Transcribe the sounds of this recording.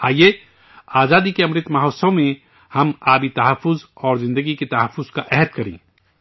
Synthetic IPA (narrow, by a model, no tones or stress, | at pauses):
aːie | aːzaːd̪ikeɐ̃mɾɪt̪mɐɦoːsõmẽ | hɐmaːbit̪ɐɦəfːʊzɔːɾzɪ̃nd̪əɡiket̪ɐɦəfːʊz̥kaʔɛɦəd̪kɐɾḛ̃ː